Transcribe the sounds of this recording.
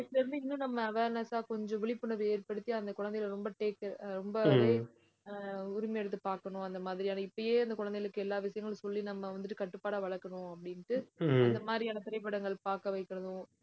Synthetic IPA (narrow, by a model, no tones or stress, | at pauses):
ɪkːɐɾɯnd̪ɯɪnːũnɐmːɐɐʋeːɾnɐsaːkɔɲd͡ʒɔ̃ʋɪɭɪpːɯnɐɾɯeːɾpɐɽɯt̪ːɪjaːɐnd̪ɐkʊɻɐnd̪ɛjɪlɾɔmbɐʈeːkːɐɾɔmbɐeː | ʊɾɪmɐɛɽɯt̪ːɯpaːɾkɐɳʊ̃ɐnd̪ɐmaːðɪɾɪjaːnɐɪpːɐjeːɐnd̪ɐkʊɻɐnd̪ɐjɐɭɯkːɯɛlːaːʋɪsɐjɐŋɡɐɭsɔlːinɐmːɐʋɐnd̪ɯʈːɯkɐʈːɯpːaːɽaːʋɐɭɐɾkːɐɳʊ̃ɐpːɐɽɪnʈːɯɐnd̪ɐmaːðɾijaːnɐt̪ɪɾɐɪp̬ːɐɽɐŋɡɐɭpaːɾkɐʋɐɪkːɐɾɐðʊ̃